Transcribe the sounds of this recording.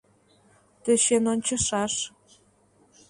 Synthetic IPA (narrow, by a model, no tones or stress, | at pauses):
t̪ə̆ʃenonʲt͡ɕɤ̆ʃɑʃ